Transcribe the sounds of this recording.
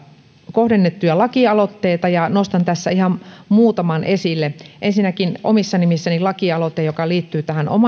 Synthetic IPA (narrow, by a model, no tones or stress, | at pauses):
kohdenːet̪ːujɑlɑkiɑlot̪ːeːt̪ɑjɑnost̪ɑnt̪æsːæ̰ihɑmmuːt̪ɑmɑnʔesilːeʔensinækino̰misːɑnimisːænilɑkiɑlot̪ːˑejokɑliːt̪ːyːt̪æhænʔo̰mɑ